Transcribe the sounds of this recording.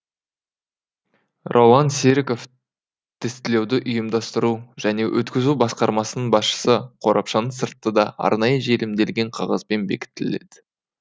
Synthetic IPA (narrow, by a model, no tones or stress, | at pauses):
rʔowɑnseɾko̞f | t̪ʰɪst̪ɪle̞wd̪ɪʔʊjəmd̪ɑst̪əɾuʒ̥æne̞wʔɵt̪kʲɪzubɑsqɑɾmɑsənəɴbɑsʃə̥səqʰo̞ɾʔɑpʃɑnəɴsəɾt̪ːəd̪ɑʔɑ̰ɾnɑjəʒe̞lɪmd̪e̞lɡʲe̞ɴqʰɑʁɑ̰zbenbe̞̰kʲɪ̥t̪ːɪle̞̰d̪̥ɪ̥